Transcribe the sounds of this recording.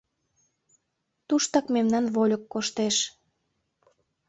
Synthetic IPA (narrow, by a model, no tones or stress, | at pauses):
t̪uʃt̪ɑkmemnɑnβolʲəkːoʃt̪eʃ